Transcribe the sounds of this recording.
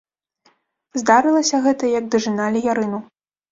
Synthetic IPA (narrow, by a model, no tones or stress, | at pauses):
zd̪aɾɨlˠɐsʲɐɣɛt̪ɐjɐɡ̚d̪ɨʐɨnalʲijaɾɨnu